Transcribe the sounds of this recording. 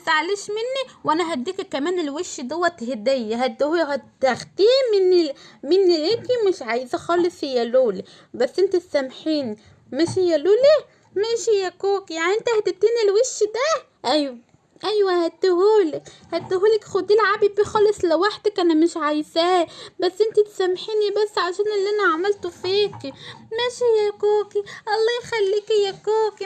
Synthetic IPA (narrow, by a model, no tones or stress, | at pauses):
saʕaleʃmenːiwʔænæɦæd̪ːiːkækæmæːnelweʃːd̪owːæt̪hed̪ejːæɦæd̪hhæt̪ːæxt̪iːmɪnːimɪnːileːkimeʃʕajzæxɑːlesˤhɪjːæloːli | bæsːʔent̪æsːæmħiːn | mæʃhejːæloːle | mæʃejːækoːkjaʕniʔent̪æhæt̪eb̚t̪iːnelweʃːid̪æ | ʔæjwæ | ʔæjwæhæt̪ːʊhuːlɪkhæt̪ːɦuːlækxʊd̪ilʕabibixɑːlɑsˤlɪwaħd̪ækʔænæmɪʃʕajzæbæsːʔɪnt̪it̪sæmːħiːnibæsːʕaʃæːnʔɪlːʔænæʕamælt̪ʊfiːkimæʃijækoːkiʔɑlˤːɑːjxælːiːkijækoːki